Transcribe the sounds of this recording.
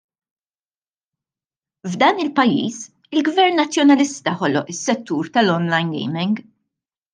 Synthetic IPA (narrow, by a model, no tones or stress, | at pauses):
vd̪ɐːnɪlpɐjːḭːs | ɪlɡvɛɾnːɐt͡sːjɔnɐlɪst̪ɐħɔlɔʔɪsːɛt̪ːuːɾt̪ɐlɔnlɐjnɡɛ̰jmɪŋɡ